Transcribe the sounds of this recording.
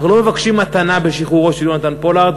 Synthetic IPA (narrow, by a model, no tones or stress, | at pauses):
aχnulo̞me̞vakʃimːat̪anabe̞ʃiχuʁo̞ʃeljonat̪anpo̞laʁd̪